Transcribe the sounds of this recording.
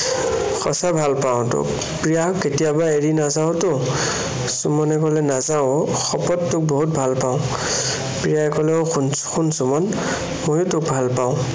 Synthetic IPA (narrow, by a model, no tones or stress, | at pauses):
xɔ̰sabʱalpaʊ̃tʊ̰k | pɹijaketijabaeɹinazaʊ̃tʊ | sumɔnɛkɔlɛnazaʊ | xɔpɔtːʊk̚bɔɦut̚bʱalpaʊ̃ | pɹijaɛkɔlɛoxn | xunsumɔn | mojʊtʊk̚bʱalpaʊ̃